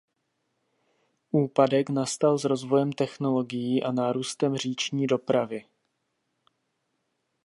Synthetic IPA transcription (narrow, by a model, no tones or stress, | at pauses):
ʔuːpadɛknast̪alzɾo̞zvo̞jɛmt̪ɛxno̞lo̞ɡɪjiːʔanaːɾuːst̪ɛmr̝iːt͡ʃɲiːdo̞pɾavɪ